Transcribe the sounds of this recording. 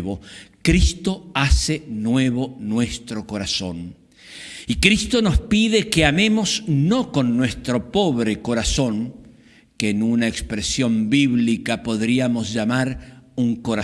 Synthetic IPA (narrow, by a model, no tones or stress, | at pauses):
βokɾist̪o̞asenwe̞βo̞nwe̞st̪ɾo̞ko̞ɾaso̞n | ikɾist̪o̞no̞spiðe̞keame̞mosno̞ko̞nːwe̞st̪ɾo̞po̞βɾeko̞ɾaso̞ŋ | keːnunaekspɾesjo̞mbiβlikapo̞ðɾiamo̞sʝamaɾuŋko̞ɾa